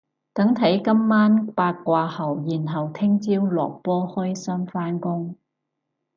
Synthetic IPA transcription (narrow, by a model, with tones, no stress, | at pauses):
t̪ɐ˨˥ŋt̪ʰɐ˨˥jkɐ˥mːaː˥npaː˧t̚kʷaː˧hɐ˨˩wjiː˨˩nɦɐ˨˩wt̪ʰɪ˥ŋt͡siː˥wlɔ̰ː˨k̚pɔː˥hɔ˥jsɐ˥mfaː˥nkʊ˥ŋ